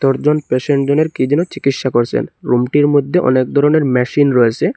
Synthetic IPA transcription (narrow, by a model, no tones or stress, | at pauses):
t̪oɾd͡ʑonpeʃeɳʈd͡ʑoneɾkid͡ʑɛnot͡ɕikit̪ʃakoɾt͡ɕʰḛnɾumʈiɾmod̪ʱːeʔɔ̰nek̚d̪ʱɔɾoneɾmɛʃinɾoet͡ɕʰe